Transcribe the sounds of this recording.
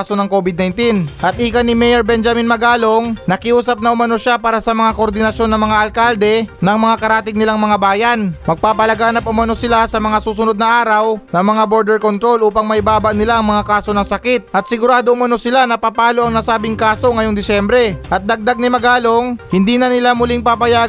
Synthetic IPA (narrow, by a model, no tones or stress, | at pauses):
so̞nɐŋko̞bɪd̪̚nɐjnt̪inʔɐt̪̚ʔiːkɐnɪmɛjɛɾbɛnd͡ʒɐminmɐɡaːlo̞ŋnɐkɪʔuːsɐp̚nɐʔʊmɐno̞ʃapaːɾɐsɐmɐŋakoʔoɾd̪ɪnɐsjo̞nːɐŋmɐŋaʔɐlkald̪ɛnɐŋmɐŋakɐɾaːt̪ɪɡ̚nɪlaŋmɐŋabaːjɐnmɐɡ̚paːpɐlɐɡaːnɐp̚ʔʊmɐno̞sɪlasɐmɐŋasuːsʊno̞d̪̚nɐʔaːɾɐwnɐŋmɐŋabo̞ɾd̪ɛɾko̞nt̪ɾo̞lʔuːpɐŋmɐʔɪbaːbaʔnɪlaʔɐŋmɐŋakaːso̞nɐŋsɐkɪt̪̚ʔɐt̪̚sɪɡʊɾaːd̪oʔʊmɐno̞sɪlanɐpapaːlo̞ʔɐŋnɐsaːbɪŋkaːso̞ŋɐjo̞ŋd̪ɪsɛmbɾɛʔɐt̪̚d̪ɐɡ̚d̪aɡ̚nɪmɐɡaːlo̞ŋhɪnd̪iːnɐnɪlamʊliŋpapɐja